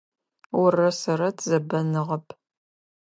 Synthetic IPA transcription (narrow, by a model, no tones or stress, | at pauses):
wʊrɐsɐɾɐtʰzɐbɐnɨʁɐpʰ